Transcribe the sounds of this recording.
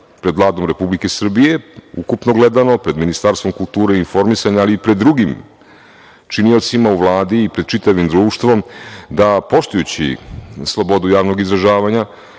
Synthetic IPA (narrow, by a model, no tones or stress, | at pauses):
pɾed̪vlˠaːd̪o̞mɾe̞publike̞sr̩bije̞ṵkupnoɡle̞d̪ano̞pɾe̞d̪minist̪aɾst̪ʋo̞mkulˠt̪uːɾeinfo̞ɾmisaɲaaliːpɾed̪ːɾuɡim | t͡ʂinio̞t̪simauʋlˠaːd̪iːpɾe̞d̪̚t͡ʃit̪aʋimd̪ɾuːʃt̪ʋo̞md̪apo̞ʃt̪ujut͡ɕḭslˠo̞bo̞d̪ujaːʋno̞ɡizɾaʒaːʋaɲa